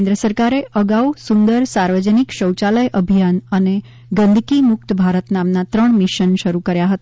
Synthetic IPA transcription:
nd̪ɾəsəɾkaɾeʔəɡausund̪əɾsaɾʋəd͡ʒənikʃəwt͡ʃaləjʔəbʱijanəne | ɡə̃nd̪ʱkimʊk̚t̪bʱaɾət̪namnat̪ɾəɳmiʃənʃəɾukəɾjaɦət̪a

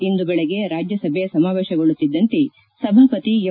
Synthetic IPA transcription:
ind̪ubɛɭɛɡe̞ɾaːd͡ʒjɐsɐbʱjesɐmaːʋeːʃɐɡoɭut̪ːid̪ːɐnt̪e | sɐbʱaːpɐt̪ij

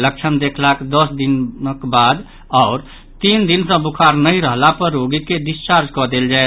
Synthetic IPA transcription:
lək̚t͡ʃʰənd̪ekʰlakd̪əsd̪inəkbad̪ | ɔːɾ | t̪ind̪insə̃bukʰaɾnəiɾəɦlapəɾːoɡiked̪ist͡ʃaɾd͡ʒkɔd̪eld͡ʒaɛ

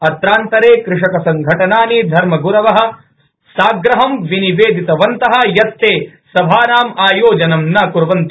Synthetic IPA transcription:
ɐt̪ɾaːnt̪ɐɾeːkɾɪʂɐkɐsɐŋɡʱɐʈɐnaːnid̪ʱɐɾmɐɡuɾɐʋɐɦɐ̆ | saːɡɾɐɦɐmʋiniʋeːd̪ʱit̪ɐʋɐnt̪ɐɦɐ̆jɐt̪ːeːsɐbʱaːnaːmaːjoːd͡ʒɐnɐmnɐkuɾʋɐnt̪

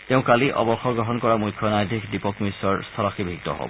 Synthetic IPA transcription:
teʊ̃kaliʔɔ̰bɔxɔɡɹɔɦɔnkɔɹamujkʰːjɔnajd̪ʱikdipɔkmisɔɹst̪ʰɔlɔxibʱik̚tɔ̰ɦɔ̰bɔ̰

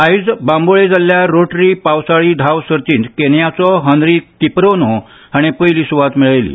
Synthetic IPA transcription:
aid͡zbãmboɭed͡zaljaɾoʈɾiːpawsaɭiːd̪ʱaʋsəɾt͡ɕiːnt̪kenjat͡sɔɦənɾikipɾono | ɦaɽ̃epəjliːsuʋat̪miɭajlḭː

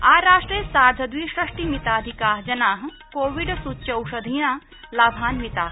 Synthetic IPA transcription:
aːɾaːʂʈɾeːsaːd͡ʒʱɐd̪ʋiːʃɾɐʂʈiːmit̪aːd̪ʱikaːɦd͡ʒɐnaːɦ | koːʋiɖsut͡ʃːjɐwʃɐd̪ʱijã | laːbʱaːnmit̪aː

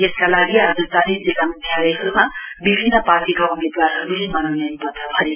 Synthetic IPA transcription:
jeskalaɡiazut̪anid͡zilamnjalejɦʌɾumabibʱinːəpaɾʈikaumed̪waɾɦʌɾuɦemʌnawneʌnipʌt̪apʰʌɾi

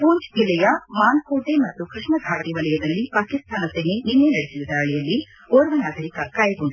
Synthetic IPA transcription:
puːɲt͡ʃd͡ʒilɛjɐmaːnkuːʈemɐt̪ːukɾiʂɳɐɡʱaːʈiʋɐlɛjɐd̪ɐlːipaːkist̪ʰaːnɐseɦeninːenɐɽesiʋud̪ɐɐɭɛjɐlːi | oːɾʋɐnaːɡ̪ʱɐɾikɐkaːjɐɡoɳɖ

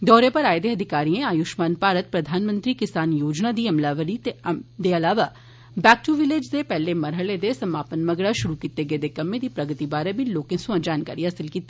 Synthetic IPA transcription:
d̪ɔːɾepɐɾaːjd̪eɐd̪ʱɪkaːɾiẽaːjuʃmaːnpaːɾət̪̚pɾɐd̪ʱaːnmə̃nt̪ɾikɪsaːnjoːd͡ʒnad̪iɐmlaːʋəɾid̪eɐlaːʋa | bɛːk̚ʈuʋɪleːd͡ʒd̪epɛɦlemɐɾɦəɭed̪esɐmaːpənmɐɡɽaʃʊɾukit̪eɡeːd̪ekɐmːẽd̪ipɾɐɡət̪ibaːɾebʱiloːkẽsũad͡ʒaːnkaːɾiɦɐsɪlkiːt̪i

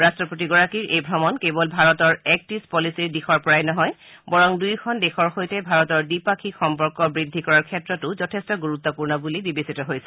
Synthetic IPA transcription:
ɹastɹɔpotiɡɔɹakiɹʔejbʱɹɔmɔnkebɔlbʱaɹɔtɔɹɛk̚tispɔlisiɹdixʰɔɹpɔɹajnɔɦɔj | bɔɹɔŋdujkʰɔndɛxʰɔɹxojtɛbʱaɹɔtɔɹdipakʰixɔmpɔɹkɔbɹidʱːikɔɹaɹkʰɛtɹɔtʊzɔtʰestɔɡuɹut̪ːɔpuɹnɔbulibibesitɔɦojsɛ̥

